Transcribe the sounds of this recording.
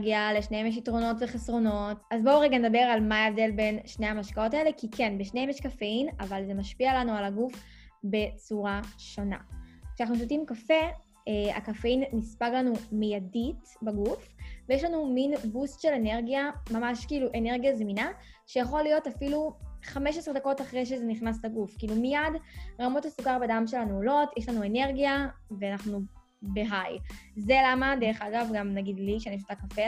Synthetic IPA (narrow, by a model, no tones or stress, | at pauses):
ɡialeʃnehemjeʃ̬itʁo̞no̞tveχesʁo̞no̞tazboʁeɡaned̪abe̞ʁalmaevde̞lbe̞nʃnehamaʃkao̞tae̞le̞kikenbeʃnehemjɛʃkafeinavalze̞maʃpialanualaɡuf | be̞t͡suʁaʃo̞na̰kʃeanaχnusotimkafe̞ | a̰kafeinːispaɡlanumijadit | baɡufvejeʃlanuminbustʃelene̞ʁɡijamamaʃkiiːluʔe̞ne̞ʁɡijazmina | ʃe̞jaχo̞lːijo̞tafiluχameʃesʁed̪ako̞taχʁejʃ̬ezeniχnaslaɡufkiːlumijadʁamo̞tasukaʁbedamʃe̞lanuolo̞tjeʃlanue̞ne̞ʁɡijaveanaχnu | beɦajzelamadeʁeχaɡavɡamnaɡidliʃeaneʃ̬ot̪akafe